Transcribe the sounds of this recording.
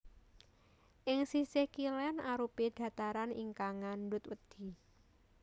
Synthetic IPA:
ʔɪŋsisɪhkilɛnaɾuped̪̥ä̤t̪aɾaniŋkaŋandʊt̪wəd̪̥i̤

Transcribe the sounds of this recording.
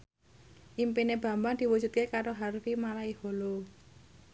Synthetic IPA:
ʔimpineb̥ä̤mbaŋd̪̥i̤wud͡ʒ̥ṳt̪̚kekaɾoɦarfimalaiholo

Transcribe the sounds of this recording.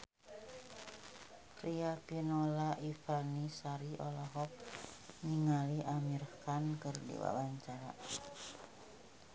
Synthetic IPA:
riapinolaʔifanisaɾiʔɔlaɦɔk̚niŋaliʔamirkankɨrdḭwa̰waɲt͡ʃaɾa

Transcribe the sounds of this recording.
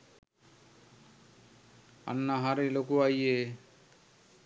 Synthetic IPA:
a̰nːaɦaɾelokuaje

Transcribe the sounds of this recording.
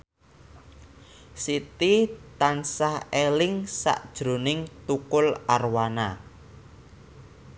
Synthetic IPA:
sit̪it̪ansahelɪŋsa̰ʔd̥ʒ̥ɾo̤nɪŋt̪ukʊlarwana

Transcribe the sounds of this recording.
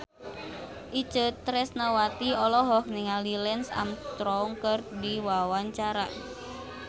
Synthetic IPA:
ʔit͡ʃət̪ːɾɛsnawat̪iɔlɔɦɔkniŋalilɛnsa̰mt̪ɾɔŋkərdiwawaɲt͡ʃaɾa̰

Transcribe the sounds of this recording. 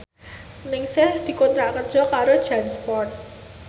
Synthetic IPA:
nɪŋsɛhd̪̥i̤kont̪ɾaʔkərd̥ʒ̥ɔ̤kaɾod̥ʒ̥anspɔrt̪̚

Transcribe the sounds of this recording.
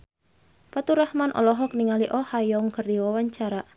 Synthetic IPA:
pat̪uɾahmanʔɔ̰lɔɦɔk̚niŋaliʔɔhajɔŋkərdiwawaɲt͡ʃaɾaʔ

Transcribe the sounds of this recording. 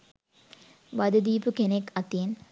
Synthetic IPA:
ʋɐd̪ɐd̪iːpukenekːɐt̪ijen

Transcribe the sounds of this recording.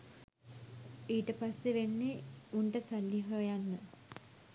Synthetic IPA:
iːʈəpasːeʋenːeuɳʈəsalːiɦəjanːə

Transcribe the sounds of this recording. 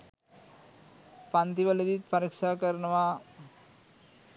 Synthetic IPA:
pant̪iʋəled̪it̪̚pɐɾikʂakəɾnəʋa

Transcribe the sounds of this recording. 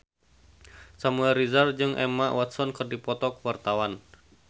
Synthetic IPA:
samuɛlrɾizard͡ʒɨŋʔɛ̰maʔwat̪sɔnkɨrdipɔt̪ɔkwart̪awan

